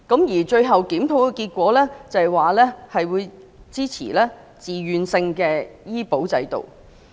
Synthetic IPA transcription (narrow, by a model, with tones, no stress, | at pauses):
kɐ˨˥mjiː˨˩t͡ʃɵ˧ɥɦɐ˨wkiː˨˥mt̪ʰo˨˥wkɛ˧kiː˧t̚kʷɔː˨˥lɛː˥t͡sɐ˨˩waː˨˩lɛː˥hɐ˨jwuː˨˧j | t͡siː˥t͡sʰḭː˨˩lɛː˥ | t͡siː˨˩jyː˨nsɪ˧ŋkɛː˧jiː˥po˨˥wt͡sɐ̰˨˥jt̪o̰˨w